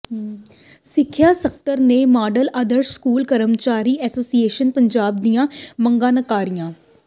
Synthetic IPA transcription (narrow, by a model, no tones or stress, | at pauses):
sɪkʰːjaːsəkʰt̪əɾneːmaːɖələd̪əɾskuːlkəɾəmt͡ʃaːɾiːʔɛːsoːsieːʃənpəɲd͡ʒaːb̚d̪ijãːməŋɡãːnəkaːɾijãː